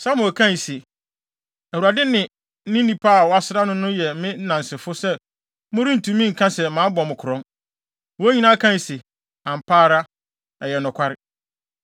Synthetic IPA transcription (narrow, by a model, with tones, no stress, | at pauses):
sa˦mʊ̃˨kʰã˦ɲ˨sɪ˨ | æ˨wu˨ɾa˨dɪ˦nɪ̃˨ | n̩˦nĩ˦nĩ˦pʰa˦˨wɔ˨˦a˨˦sɪ˦ɾa˦nʊ̃˦nʊ̃˦jɛ˨˦mɪ̃˦n̩˦nã˨n˨sɪ˨fʊ˦sɛ˦ | mʊ̃˦ɾĩ˦n̩˨tʰũ˨mĩ˦ŋ̩˨kʰã˦sɛ˨mãː˨˦bɔ˨mʊ̃˨kʰʊ˨ɾɔ̃˦n | wɔ˦ɲĩ˦nã˦kʰã˦˨sɪ˨ | ã˨m̩˨pʰaː˦ɾa˦ | ɛ˨jɛ˨nʊ̃˨kʷʰa˦ɾɪ˨